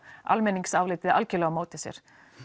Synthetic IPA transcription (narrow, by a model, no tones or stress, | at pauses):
a̰lmɛniŋksaːwvlɪːt̪ɪða̰lcɪlɛɣamoːwt̪ɪsjɛ̰ɾ̥